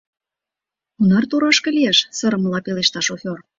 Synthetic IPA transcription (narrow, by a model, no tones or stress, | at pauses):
unɑrt̪uɾɑʃkĕlieʃsə̆ɾə̆məlɑpeleʃt̪ɑʃofʲor